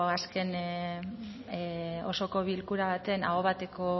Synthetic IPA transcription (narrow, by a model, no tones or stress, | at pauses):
aske̞n | o̞so̞ko̞βilkuɾaβ̞at̪e̞na̰ɣoβat̪e̞ko̞